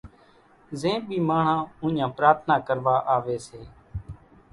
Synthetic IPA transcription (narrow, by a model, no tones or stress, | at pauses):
zẽːɓiːmaːɳ̤ãːũːɲãːpɾaːɾt̪ʰnaːkəɾʋaːʔaːʋeːseː